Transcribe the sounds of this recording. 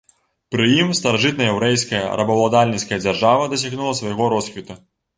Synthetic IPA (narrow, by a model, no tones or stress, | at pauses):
pɾɨjimst̪ɐɾaʐɨt̪nɐjɛwɾɛjskɐjɐ̰ɾʔɐbɐwlˠad̪alʲnʲit̪skɐjɐd͡zʲarʐavɐd̪ɐs̬ʲaɣnulˠɐsvajɣɔɾɔsxʲvʲit̪u